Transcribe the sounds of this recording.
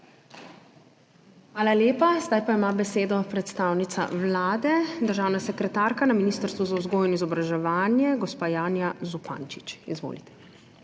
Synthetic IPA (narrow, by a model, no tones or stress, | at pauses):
xʋaːlaljeːpazd̪ajpaimaːbɛseːd̪ɔpɾɛt̪st̪aːwnit̪sa̰wlaːd̪ɛd̪əɾʒaːwnasɛkɾɛt̪aːɾkanaminist̪əɾst̪ʋuzauzɡoːjinizɔbɾaʒɛʋaːnjɛɡɔspaːjaːnjazupã̰nt͡ʃit͡ʃizʋo̰ːlit̪ɛ̥